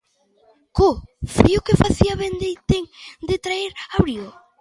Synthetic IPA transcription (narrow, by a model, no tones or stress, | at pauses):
kofijʊkefaθiaβend̪ejt̪eŋd̪ɪt̪ɾaeɾaβɾio